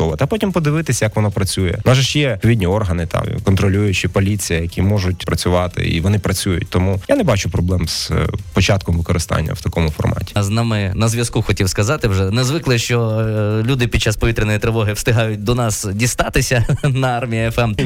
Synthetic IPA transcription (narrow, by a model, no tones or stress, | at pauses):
ɔʋˠɐt̪ɐpɔtʲimpɔd̪ɪʋɪt̪ɪsʲjɐkʋɔnɔpɾɐt͡sʲujɛ̰nɑʒɐʃjɛɔʋʲidʲnʲiɔrɦɐnɪt̪ʰɑ̰mkɔnt̪ɾɔlʲujʊt͡ʃɪpɔlʲit͡sʲijɐjɐkʲimɔʒʊtʲpɾɐt͡sʲʊʋɑt̪ɪ̰ḭʋɔnɪpɾɐt͡sʲujʊ̰t̚ʲt̪ɔmujanɛbɑt͡ʃʊpɾɔblˠɛmz̥pɔt͡ʃɑt̪̚kɔmʋɪkɔɾɪst̪ɑ̰nʲːɐ̰wt̪ɐkɔmʊfɔ̰rmɑ̰tʲi̥znɑmɪnɐzʋʲjɐskuxɔtʲiwskɐzɑt̪ɪwʒɛnɛzʋɪklˠɪʃt͡ʃɔlʲud̪ɪpʲid̪t͡ʃːaspɔʋʲit̪ɾʲɪnɔjit̪ɾɪʋɔɦɪwst̪ɪɦɑjʊt̚ʲd̪ɔnɑsdʲist̪ɑt̪ɪsʲɐnɐɑrmʲijɐɛfɛm